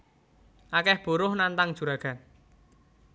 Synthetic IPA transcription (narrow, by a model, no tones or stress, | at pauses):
ʔakɛhb̥o̤ɾʊhnant̪aŋ̥ʒ̥ṳɾaɡ̥a̤n